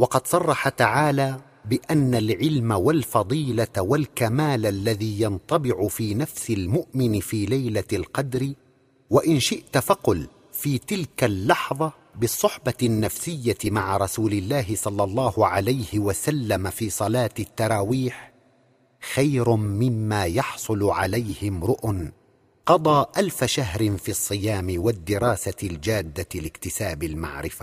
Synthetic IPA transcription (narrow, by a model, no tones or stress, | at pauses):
wɑqɑd̪sˤɑrˤːɑħat̪aʕaːlaː | bɪʔanːalʕɪlmawalfɑd̪ˤiːlawalkamaːlalːaðiːjɑnt̪ˤɑbɪʕʊfiːnafsɪlmʊʔmɪnɪfiːlajlalqɑd̪ɾɪ | waʔɪnʃɪʔt̪fɑqʊl | fiːt̪ɪlkalːɑħðˤɑ | bɨsˤːʊħbɑnːafsɪjːamaʕaɾˤɑsuːlɪlːaːɦɪsˤɑlːɑlˤːɑːhʊʕalajhɪwasalːamafiːsˤɑlɑːt̪ɪt̪ːɑɾˤɑːwiːħ | xajɾmɪmːaːjɑħsˤʊlʕalajhɪmɾʊʔn | qɑd̪ˤɑːʔalfaʃaɦɾɪnfiːsˤːɨjaːmɪwad̪ːɪɾˤɑːsald͡ʒaːd̪ːalɪkt̪ɪsaːbɪlma̰ʕɾɪfa